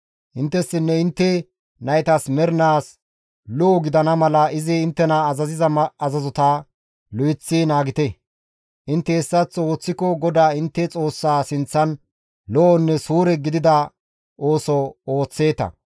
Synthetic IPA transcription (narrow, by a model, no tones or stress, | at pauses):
ʔɪnt̪ːɛsːɪnːɛɪnt̪ːɛ | nɐjɛt̪ɐsmɛɾɪnaːs | lɔɔɡɪd̪ɐnɐmɐlɐɪzɪɪnt̪ːɛnɐːzɐzɪzɐmɐzɐzɔt̪ɐ | lɔjɪt͡sːɪnaːɡɪt̪ɛ | ʔɪnt̪ːɛːsːɐt͡sːo̞ːt͡sːɪkɔɡɔd̪aːɪnt̪ːɛt͡sʼo̞ːsːaːsɪnt͡sːɐn | lɔʔɔnːɛsuːɾɛɡɪd̪ɪd̪ɐ | ʔoːsɔoːt͡sːe̞ːt̪ɐ̰